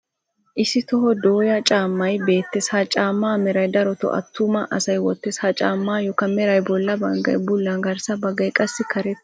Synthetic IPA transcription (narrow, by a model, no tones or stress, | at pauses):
ʔɪsɪt̪ɔɦɔd̪oːjɐt͡ʃʼaːmːɐjbe̞ːt̪ːɛsaːt͡ʃʼaːmːaːmɛɾɐjd̪ɐɾɔt̪ɔ̰ʔɐ̰t̪ːumɐʔɐsɐjwɔt̪ːɛsaːt͡ʃʼaːmːaːjɔkɐmɛɾɐjbɔlːɐbɐŋɡɐ̰jbʊlːɐŋɡɐɾsɐbɐɡɐjkʼɐsːɪkʰɐɾɛt̪ː